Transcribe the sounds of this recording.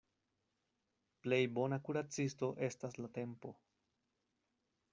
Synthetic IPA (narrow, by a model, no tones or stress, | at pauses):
ple̞jbo̞nakuɾat͡sisto̞ʔe̞staslate̞mpo̞